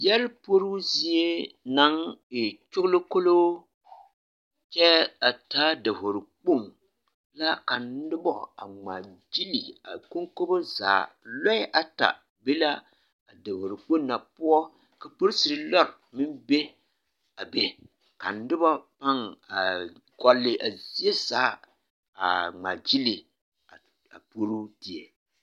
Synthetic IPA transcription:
jɛ˦lpo˦ɾu˦zi˦e˦na˦ŋɪ˨t͡ʃʊ˦ɣlɨ˦ko˦lo˦ | t͡ʃɛ˦a˨taː˦da˨ho˨ɾɨ˨k͡po˦˨n | la˦ka˨n˦dɨ˦bɔ̰˨a̰˨ŋ͡ma̰˨d͡ʒi˦li˨a̰˨ko˦ŋko˦bo˦za̰ː˨lɔ˦ɪ˦ʔa˨ta̰˨ | be˦la˦ | a˨da˨ho˨ɾɪ˨k͡po˦nːa˨pʊ˦ɔ˦ | ka˨po˦ɾsi˨ɾɨ˦lɔ˦ɾmɪ˦mbe˦ | a˨be˦ | ka˨n̩˨˦dɨ˦ba˦pa˦ŋa˨ɡɔ˦lːɪ˦ʔa˨zi˦e˦zaː˨˦ | a˨ŋ͡ma̰˨d͡ʒi˦li˨ | a˨ | a̰˨po˦ɾu˦di˨e˨

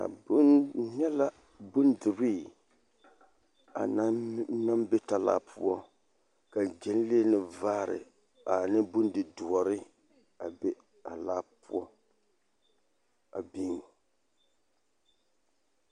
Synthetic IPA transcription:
a̰˨bʊ˦nnɛ˦la˦ | bʊ˦ndɨ˨bi˦˨ | a̰˨na˦na˦mbɛ˦ta˨la̰ː˦pʰu˦ɔ˦ | ka˨d͡ʒɛ˨n˦li˦e˦nɨ˨vaː˦ɾɪ̰˨ | a˨nɨ˦bʊ˦ndɨ˨du˨ɔ˨ɾɨ˦ | a˨b | a˨laː˦pu˦ɔ˦ | a˨bi˦ŋ˨

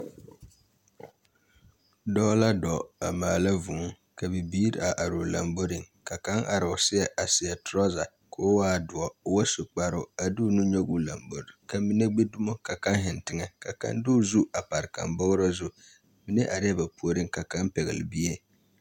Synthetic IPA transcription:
dɔ˦la˦dɔ˨a̰˨maː˨la˦vu˨˦ | ka˨bɛ˨biː˦ɾa˨ʔa˨ɾo˨la˨mbo˦ɾɪ˨ŋ | ka˨ka˦ŋʔa˨ɾɪ˨ʊ˨sɪ˦ɛ˨ʔa˨sɪ˨ɛ˨tʊ˨ɾɔ˦za˨ | kʰo˦waː˦˨dʊ˨ɔ˦˨wa˦so˨k͡pa˦ɾʊ˦˨a˨dʊ˦nu˦ɲɔ˦ɡu˦la˨mbo˨ɾɪ˨ka˨mi˦ne˦ɡ͡be˦du˦mo˦ka˨ka˦nɦɪ˨ntɪ˨ŋɛ˨ka˨ka̰˦ndʊ˦zu˦a˨pa˨ɾɪ˨ka̰˨mbɔ˦ɣɾɔ˦zʊ˦ | mi˦ne˦ʔa˨ɾɪ˦ɛ˦ba˨pu˦o˦ɾɪ˦ŋ˦ka˨ka˦npɛ˨ɣɪ̰˨lɪ˨bi˦e˦

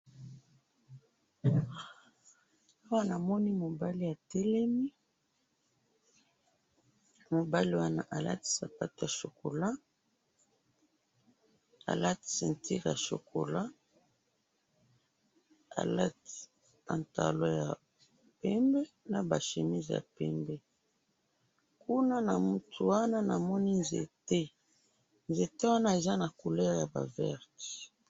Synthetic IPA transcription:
a˦wa˦na˨mɔ˦ni˦mo˨ba˦li˦ja˨tɛ˦lɛ˦mi˦ | mo˨ba˦li˦wa˦na˦ʔa˨la˦ti̥˦sa˨pa˦ti˦˨ja˨ʃo˨ko˨la˦ | a̰˨la˦ti̥˨sɛ˨nti˦ʁja̰˨ʃo̰˨ko̰˨la˦ | a̰˨la˦ti̥˨ | a˨nta̰˨lo˦ja˨ | pɛ˦mbɛ˦ | na˨ba˨ʃe˨mi˦zja̰˨pɛ˦mbɛ˦ | ku˦na˦na˨mu˨tʰu˨wa˦na˦na˨mɔ˦ni˦nzḛ˨te˦ | nze˨te˦wa˦na˦e˨za˦na˨ko˨lɛ˦ʁja˨ba̰˨vɛ˦ʁti̥˨

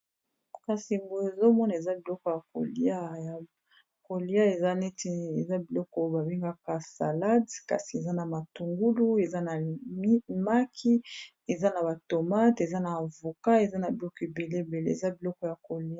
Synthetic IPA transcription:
ka˨si˨mbo˨e˨zo˦mɔ˦na˨e˨za˦bi˨lɔ˦kɔ˨ja˨ko̰˨li˦a˦ja˨ | ko˨li˦a˦e˨za˦nɛ˦ti˦e˨za˦bi˨lɔ˦kɔ˦ba˨be˦ŋɡa˦ka˦sa˨la˦dka̰˨si˨e˨za˦na˨ma˨tu˨ŋɡu˦lu˦e˨za˦na˨m˦ma˦kʰi˦ | e˨za˦na˨ba˨to˨ma˦te˨za˦naː˨vo˨ka˦e˨za˦na˨bi˨lɔ˦ke˨be˨le˦be˨lḛ˦ḛ˨za˦bi˨lɔ˦kɔ˨ja˨ko˨li˦a˦

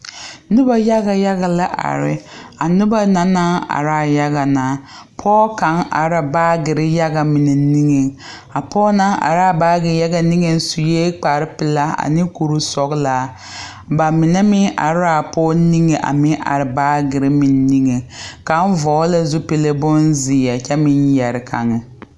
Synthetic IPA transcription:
nʊ˦ba˦ja˦ɡa˨ja˦ɣa˨la˦ʔa̰˨ɾɪ̰˦a˨nʊ˦ba˦na˨naː˦a̰˨ɾa˨ja˦ɣa˨naː˨˦ | pʰɔː˦ka˨˦ŋʔa̰˨ɾa˨baː˦ɡɪ˨ɾɪ˦ja˦ɡa˨mɪ˨ne˨ni˦ŋe˨ | a˨pʰɔː˦na˦ʔa̰˨ɾa˨baː˦ɡɪ˨ja˦ɡa˨ni˦ŋe˦n˦su˨jeː˦k͡pa˨ɾɪ˦pɪ˨la˦a̰˨nɪ˦ku˨ɾu˦sɔ˨ɡla˨˦ | ba˨mɪ˨ne˦mɪ˦nʔa̰˨ɾɪ˦ɾa˨pɔː˦ni˦ŋe˨ʔa̰˨mɪ˦ʔa̰˨ɾɪ˨baː˦ɡɪ˨ɾɪ˦mɪ˨nː˦i˦ŋe˨ka˨˦n˦vɔː˨˦la˦zʊ˦pɪ˨le˦bʊ˦nzɪ˨a˨t͡ʃɛ˦mɪ˦njɛ˨ɾɪ˨kʰa̰˨ŋɛ˨

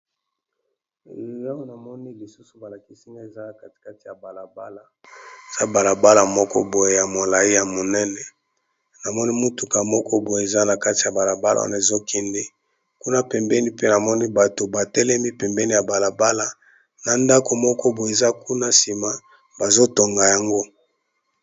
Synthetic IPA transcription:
ja˦o˦na˨mɔ˦ni˦li˨su˦su̥˨ba˨la˨ki˦si˦ŋɡa˦e˨za˦˨ka˦ti̥˨ka˦ti˨ja˨ba˨la˨ba˦la˨ | e˨z̥a˦ba˨la˨ba˦la˨mɔ˦kɔ̰˦bo˨je˨ja˨mo˨la˨i˦ja˨mo˨nɛ˦nɛ˦ | na˨mɔ˦ni˦mo˦tu˨ka˨mɔ˦kɔ˦bo˨e˨za˦na˨ka˦ti˨ja˨ba˨la˨ba˦la̰˨˦˨ne˨zo˦kʰɛ˦nde˦ | ku˦na˦pɛ˨mbɛ˦ni˦pe˦na˨mɔ˦ni˦ba˨to˨ba˨tɛ˦lɛ˦mi˦pɛ˨mbɛ˦ni˦ja˨ba˨la˨ba˦la˨ | na˨nda˦ko˨mɔ˦kɔ˦bo˨je˨za˦ku˦na˦si˨ma˨ | ba˨zo˦to˨ŋɡa˨ja˨ŋɡo˦

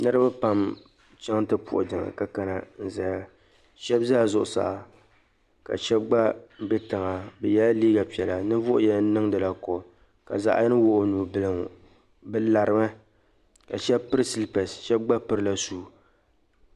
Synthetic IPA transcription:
nɨ˦ɾɨ˦ba˦pa˨m | t͡ʃɛ˦ŋ˦tɨ˦pʊ̰˨ʔʊ̰˨d͡ʒa˨ŋa̰˨ka˦ka˨na˨n̩˨za˨ja˨ | ʃɛ˦bzaː˦˨zʊ˨ʔʊ˨sa̰˨a˨ | ka̰˨ʃɛ˦b̚ɡ͡ba˦bɛ˦tɨ˨ŋa˨bɛ˨jɛ˦la˦liː˦ɡa˨pi˨ɛ˨la˨nɨ˦vʊ˦ʔʊ˦jɛ˦n˦nɨ˦ŋdɨ˨la˨kɔ˨ | ka̰˨za̰˨ʔa˦jɛ˦nɨ˦wʊ˦ʔʊ˨nuː˨bɨ˦˨lɨ˨ŋ˨ | bɨ˦la˨ɾɨ˨mɨ˦ | ka̰˨ʃɛ˦bpɨ˦ɾɨ˦si˦lpɛ˨sʃɛ˦b̚ɡ͡ba˦pɨ˦ɾɨ˦la˦suː˦˨

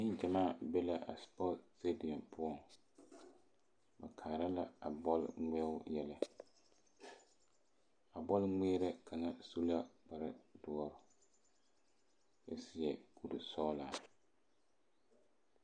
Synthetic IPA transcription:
nɪ˦nd͡ʒɛ˨maː˦˨bɛ˦la˦ʔa̰˨spɔ˦tte˦di˨ɔ˨mpʰʊ˦ɔ˨ŋ | ba̰˨kʰaː˨ɾa˦la˦a̰˨bɔ˦l̰ŋɛ˦ʊ˦jɛ˦lɛ˦ | a˨bɔ˦lŋɛː˦ɾɛ˦kʰa˨ŋa˦su˦la˦k͡pa˨ɾɪ˦dʊ˨˦ɔ˦ɾʊ˨ | ba˨sɪ˦jɛ˨ku˨ɾi˨sɔ˦laː˨

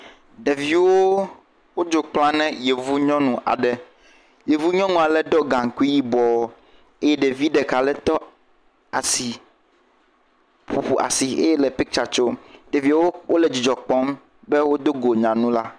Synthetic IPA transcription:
ɖe˨vi˦wo˦ | wo˦d͡ʒo˨k͡plã˦nɛ̃˦je˨vu˦ɲɔ̃˦nũ˨ʔa̰˨ɖɛ˨ | je˨vu˦ɲɔ̃˦nũ˦a˨lɛ˨ɖɔ˦ɡã˨ŋ˨ku˦i˦ji˦bɔ˨˦ | e˦jɛ˦ɖe˨vi˦ɖɛ˨ka˨lɛ˦t̪ɔ˦ | a˨si˨ | ɸu˨ɸu˨ʔa̰˨si˨ḛ˦jɛ˦lɛ˨pɛ˦kt͡ʃa˨t͡ʃo˦ɖ̥e˨vi˦wo˦wo˦lɛ˨d͡ʑi˨d͡ʒɔ˨k͡pɔ˦m | bɛ˦wo˦d̪o˦ɡo˨ɲã˨nũ˦la˦

